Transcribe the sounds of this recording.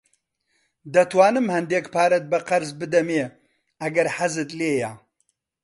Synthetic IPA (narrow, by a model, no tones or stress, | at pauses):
d̪ɐtʰwaːnɨmhɐnd̪eːkpʰaːɾɐt̪̚bɐqɐɾzbɨd̪ɐme | ɐɡɐɾħazɨt̪ʼleːjaː